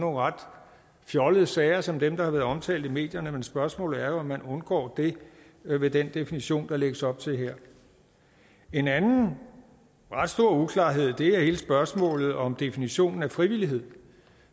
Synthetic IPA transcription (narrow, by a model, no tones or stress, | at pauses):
no̝ːn̩ʁɑ̈d̥ | fjɒləð̞̩ˠəsɛɪɐsɒ̽md̥emd̥ɑ̈hɑ̈ʋæːɐð̩ˠɒ̽mt͡sʰɛ̰ːld̥̩ˠime̝̰ːd̥jɐnəmensb̥ɶɐsmɔ̰̽ːlð̩ˠæɐjo̝ɒ̽mːænɔ̽nɡ̥ɒ̰ːd̥e̝ | ʋe̝d̥end̥e̝finiɕo̝̰ːnd̥ɑ̈leɡ̥əsɒ̽b̥̚t͡sʰe̝ɦeɐ̰ | e̝nænn̩ | ʁɑ̈d̥sd̥o̝ɐ̰ukʰlɑ̈ːɦe̝ð̞̰ˠd̥e̝æhe̝ːləsb̥ɶɐsmɔ̰̽ːlð̩ˠɒ̽md̥e̝finiɕo̝̰ːnn̩æfʁiʋil̰iɦe̝ð̰ˠ